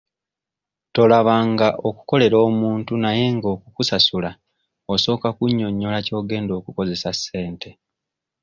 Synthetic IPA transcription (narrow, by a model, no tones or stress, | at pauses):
to̞laβaːŋɡaʔo̞ku̥ko̞le̞ɾo̞ːmuːntunaje̞ŋɡo̞ːkukusasula | oso̞ːkakuɲːo̞ɲːo̞laco̞ːɡe̞ːndo̞ːkuko̞ze̞sasːe̞ːntʰe̞